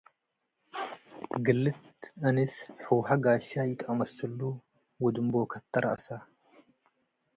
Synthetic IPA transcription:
ɡɨlːɨt̪ʔɨnɨsħuwħaɡaʃajɪt̪ʰʼʔɐmɐsɨlːu | wɔd̪ɨmbokʰɐt̪ʰːɐɾʔa̰ʔsa

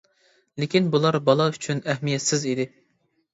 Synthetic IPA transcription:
lɪkʲinbulˠɑɾbɑlˠɑyt͡ʃʰynɛhmijɛt̪sɪzid̪ɪ

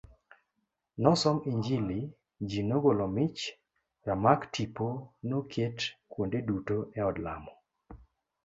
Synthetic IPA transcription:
nɔsɔmiɲd͡ʒili | d͡ʒinoɡolɔmɪt͡ʃ | ramaktiponokʰetkwondedutoɛɔdla̰mɔ

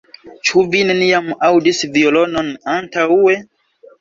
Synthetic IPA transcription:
t͡ʃuvineniamawdisviolo̞nonantaue

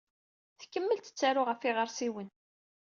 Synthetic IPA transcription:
θkːəmːəlt̪ə̥t͡sːaɾʊʁəfiʁəɾsiwən

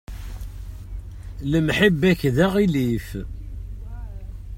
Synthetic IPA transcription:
ləmħəbːæçðæʁilif

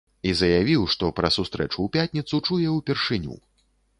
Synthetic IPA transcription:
izɐjavʲiwʂt̪ɔpɾɐsust̪ɾɛ̰t͡ʂuwpʲat̪ʲnʲit̪sut͡ʂujɛupʲɛrʂɨnʲṵ

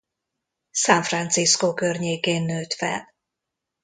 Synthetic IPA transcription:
saɱfrant̪siskokørɲeːkeːnːøːt̪fɛ̰l

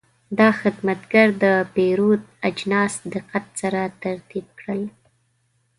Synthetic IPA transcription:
d̪ɑxɪd̪mat̪ɡaɾd̪əpeɾod̪ad͡ʒnɑsd̪ɪqat̪̚saɾat̪aɾt̪ib̚kɽəl

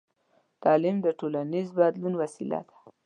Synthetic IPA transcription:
t̪ɑlɪmd̪əʈolanizbad̪lunwasila̰d̪ḁ

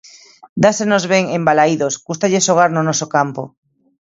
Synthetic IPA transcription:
d̪asenozβeŋembalaiðosɡust̪aʎesoɣaɾnonosokampo

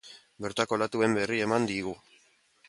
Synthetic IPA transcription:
be̞ɾt̪ako̞lat̪ue̞mbe̞rie̞mand̪iɣu

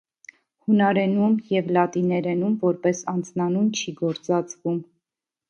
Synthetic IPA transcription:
hunɑɾɛnumjɛvlɑt̪inɛɾɛnumvɔɾpɛsɑnd͡znɑnunt͡ʃʰiɡɔɾt͡sɑt͡svum

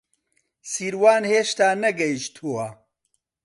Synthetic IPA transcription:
siːɾwaːnheːʃt̪aːnɐɡɐjiʃt̪ʰuɐ

